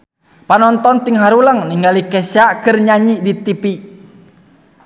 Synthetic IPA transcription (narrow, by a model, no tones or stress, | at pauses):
panɔnt̪ɔnt̪iŋɦaɾuləŋniŋɡalikɛsakɨrɲaɲidit̪ipi